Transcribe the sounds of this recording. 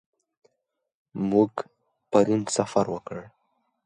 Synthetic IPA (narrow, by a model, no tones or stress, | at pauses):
muɡ | pəɾinsafaɾwəkəɽ